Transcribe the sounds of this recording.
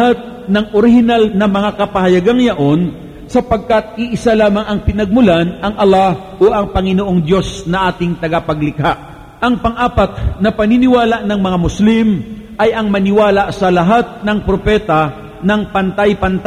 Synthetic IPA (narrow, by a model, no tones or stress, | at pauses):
hat̪̚ | nɐŋʔoɾɪhɪnalnɐmɐŋakɐpɐhɐjɐɡaŋjɐʔo̞n | sɐpɐɡ̚kɐt̪̚ɪʔɪsalaːmɐŋɐŋpɪnɐɡ̚mʊlanʔɐŋʔɐla | ʔoʔɐŋpɐŋɪnoʔo̞ŋd̪jo̞snɐʔaːt̪ɪŋt̪ɐɡɐpɐɡlɪkaʔ | ʔɐŋpɐŋʔaːpɐt̪̚nɐpɐninɪwaːlɐʔnɐŋmɐŋamʊslim | ʔɐjʔɐŋmɐnɪwaːlaʔsɐlɐɦat̪̚nɐŋpɾopɛːt̪ɐ | nɐŋpɐnt̪ajpɐnt̪